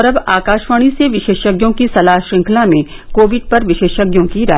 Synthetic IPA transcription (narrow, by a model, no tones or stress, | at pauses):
ɾɐbaːkaːʃʋaːɽ̃iseʋɪʃeːʃəɡjõkisɐlaːɦʃɾɪ̃ŋkʰlamẽ | koːʋɪɖ̚pɐɾʋɪʃeːʃəɡjõkiɾaː